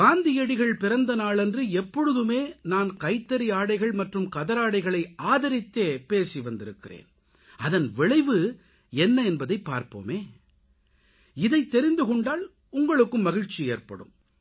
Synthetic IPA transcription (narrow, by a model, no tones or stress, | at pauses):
ɡaːnd̪ɪjɛɽɪɣɐɭpɪɾɐnd̪ɐnaːɭɛndrɯɛpːɔɻɯðɯmeːnaːnkɐɪt̪ːɐɾiaːɽɐɪɣɐɭmɐʈrɯmkɐðɐɾaːɽɐɪɣɐɭɐɪaːðɐɾɪt̪ːeːpeːsiʋɐnd̪ɪɾɯkːɪrḛːn | ɐðɐnʋɪɭɐɪʋɯ | ɛnːɐɛnbɐðɐɪpːaːɾpo̰ːmeː | ɪðɐɪt̪ːɛɾɪnd̪ɯkɔɳɖaːl | ʊŋɡɐɭɯkːɯmːɐɣɪɻt͡ʃːieːrpɐ̰ɽɯ̰m